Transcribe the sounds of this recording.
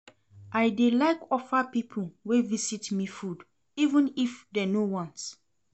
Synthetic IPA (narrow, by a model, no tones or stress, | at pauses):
ajdelaɪkɔfapipʰul̩wevisitmifud | ivə̃nifdɛnowɔ̃ns